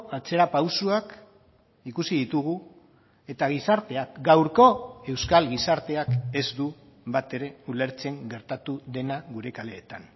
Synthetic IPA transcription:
at͡se̞ɾapawsuak | ikusið̞it̪uɣ̞u | e̞t̪aɣ̞isaɾt̪e̞akɡawɾko̞e̞wskalɣisaɾt̪e̞ake̞zd̪u | βat̪e̞ɾe̞ule̞ɾt͡se̞ŋɡe̞ɾt̪at̪uðe̞naɣuɾe̞kale̞ːt̪an

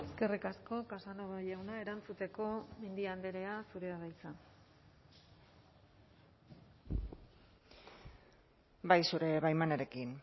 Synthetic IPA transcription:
eske̞rikasko̞kasano̞βaʎawnae̞ɾant͡sut̪e̞ko̞mend̪iand̪e̞ɾe̞asuɾe̞aɣajt͡sa | bajsuɾe̞βajmanaɾe̞kin

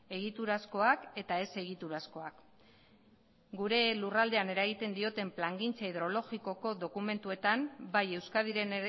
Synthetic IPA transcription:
e̞ɣ̞it̪uɾasko̞ake̞t̪ae̞se̞ɣit̪uɾasko̞ak | ɡuɾe̞lurald̪e̞ane̞ɾaɣit̪e̞nd̪io̞t̪e̞mplaŋɡint͡saiðɾo̞lo̞ɣiko̞ko̞ðo̞kume̞nt̪ue̞t̪ambaje̞wskaðiɾe̞n

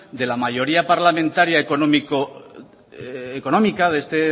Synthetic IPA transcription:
d̪e̞lamaʝo̞ɾiapaɾlamẽnt̪aɾjaekonomiko | ko̞nõ̞mikaðest̪e

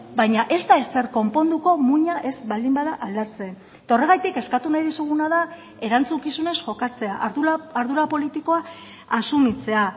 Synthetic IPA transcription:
bajɲaʔe̞zd̪aese̞ɾko̞mpo̞nd̪uko̞muɲaʔe̞zbald̪imbaðaʔald̪at͡se̞ | et̪ao̞re̞ɣajt̪ike̞skat̪unajðisuɣunaða | e̞ɾant͡suŋkisune̞sʝo̞kat͡se̞aʔuaɾðuɾapo̞lit̪iko̞a | asumit͡se̞a

